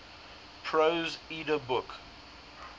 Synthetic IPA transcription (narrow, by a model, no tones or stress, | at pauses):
pʰɹozidəbʊk